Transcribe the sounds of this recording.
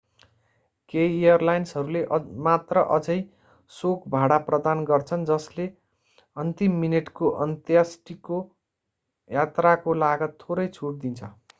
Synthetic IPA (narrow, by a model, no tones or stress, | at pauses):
kejejʌrlajnsɦʌɾuleʔmat̪rʌʔʌd͡zʌj | sokbʱaɽaprʌd̪anɡʌrt͡sʰʌnd͡zʌsle | ʌnt̪imːineʈkoʔʌnt̪jasʈiko | jat̪rakolaɡʌt̪ʰːoɾʌjt͡sʰuʈ̚d̪int͡sʰʌ